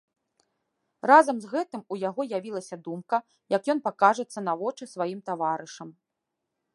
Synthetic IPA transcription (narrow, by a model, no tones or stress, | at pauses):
razɐmzɣɛt̪ɨmujaɣɔjavʲilˠɐsʲɐd̪umkɐ | jɐkjɔnpakaʐɨt̪sːɐnavɔt͡ʂɨsvajimt̪avaɾɨʂɐm